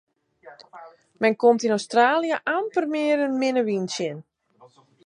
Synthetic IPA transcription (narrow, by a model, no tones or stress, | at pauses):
mɛnkomtinowstraːljəʔampərmɪːəɾənmɪnəʋinsjən